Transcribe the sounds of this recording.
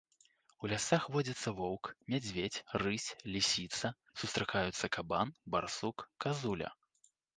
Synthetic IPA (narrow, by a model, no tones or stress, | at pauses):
ulʲasaxvɔd͡zʲɐt̪sːɐvɔwkmʲad͡zʲvʲet͡sʲrɨsʲlʲisʲit̪sɐ | sust̪ɾakajut̪sːɐkabanbarsukːazulʲɐ̰